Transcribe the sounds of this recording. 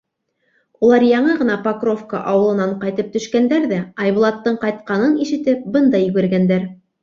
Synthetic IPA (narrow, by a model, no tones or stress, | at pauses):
ulˠɑɾjɑɴɤʁɤ̆nɑpɐkro̞fka̰ʔɑwɤlˠɤ̆nɑɴqɑjt̪ɤp̚t̪ɵ̆ʃkænd̪æɾðæɑjβŭlˠɑt̪ːɤɴqɑjt̪̚qɑnɤniʃɘ̆t̪ɘp̚bɤnd̪ɑjɵ̆ɡɘ̆ɾɡænd̪æɾ